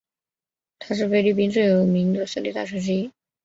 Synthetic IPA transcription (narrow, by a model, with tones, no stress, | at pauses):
t̪ʰa˥ʂ̬ɻ̩˥˩fe˥ɪli˥˩pi˥nt͡swe˥˩ɪjo˨˧˥ʊmi˧˥ŋd̪ə˧s̩˥˧li˥˩t̪a˥˩ʂ̩ʰ˥ʈ͡ʂ̬̩˥i˥